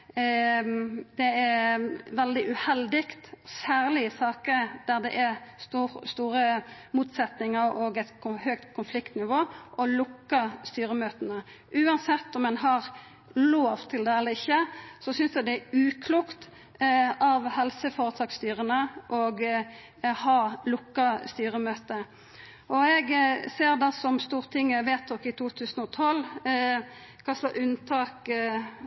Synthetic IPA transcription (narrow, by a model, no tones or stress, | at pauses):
d̪̥ɛæʋɛld̪ɪʔʉhɛld̪ɪkt̪sæːʁlɪɪsɑːkəd̪̥æɾd̪ɛ̰ʔɛst̪ust̪uːɾəmuːt̪sɛt̪nɪŋəɾɔɡɛt̪kʰʊhøːkt̪kʰʊnflɪkt̪nɪʋoːʔɔlʊkːəɾst̪yːɾəmøːt̪ənə | ʔʉːɑnsɛt̪ːɔmːɛnɦɑɾ | loːʋt̪ʰːɪld̪ɛɛlːəɾɪçːəsɔsʏnsd̪ɛd̪ɛæʉːkʰluːkt̪ | ɑʋhɛlsəfoːɾət̪ʰɑːkst̪yːɾənəʔɔɡ | hɑːlʊkːɑst̪yːɾəmøːt̪ə | ʔɔɛɡseːʁd̪ɛsɔmst̪uːʁt̪ʰɪŋːəʋeːt̪̚ɔkɪt̪ʰuːt̪ʰʉːsənɔt̪ʰɔlː | kʰɑslɑʔʉnt̪ʰɑːk